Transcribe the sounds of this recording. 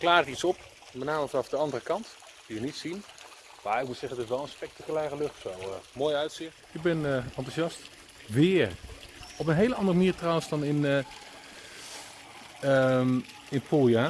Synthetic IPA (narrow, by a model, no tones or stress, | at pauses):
klaːrətitsɔp | mətnaːməfɑnɑfdəɑndərəkɑnt | d̥iʋənitsin | maːɪk̚mutsɛχənətɪs̬ʋɛlˠə̃nspɛk̚takylɛːrəlɵχtsowmoːjœɥtsɪ | ɪɡ̚bɛnəɑntusɑst | ʋɪːrɔp̬ənɦejləɑndərəməniːɹtrɔwənsdɑnɪnə | əm | ɪnpolˠja